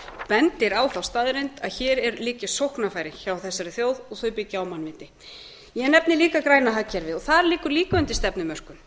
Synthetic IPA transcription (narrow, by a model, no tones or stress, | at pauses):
pɛnt̪ɪɾawθawst̪aːðɾent̪aðçɛːɾɛɾliːcɪsowhknafaːjɾɪçawθɛsːaɾɪθjoːwðɔɣθœɥpɪcɪawmanvɪnt̪ɪ | jɛnɛpnɪliːkakɾaːjnaɦaːcʰːaɾvɪðɔɣθaɾliːkʏɾliːkaʏnt̪ɪst̪ɛpnʏmœr̥kʏn